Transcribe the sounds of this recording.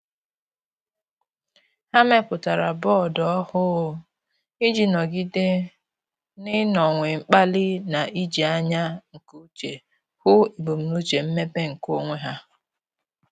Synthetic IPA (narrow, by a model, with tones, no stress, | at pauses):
ha˦me˦pʊ˨ta˨ɾa˨bɔ˦˨dɔ˦ɔ˦hʊ˦ | i˦d͡ʒi˨nɔ˨ɡi˦de˦ | nɪ˦nɔ˨ŋʷe˨ŋ͡m̩˦k͡pa˦lɪ˦na˨ʔi˦d͡ʒi˨a˦ɲa˦ŋ̩˨ku˦u˦t͡ʃe˨ | hʊ˦i˨bo˨m̩˨nu˦t͡ʃe˨m̩˦me˦be˦ŋ̩˨ko˦ŋʷe˦ɦa˦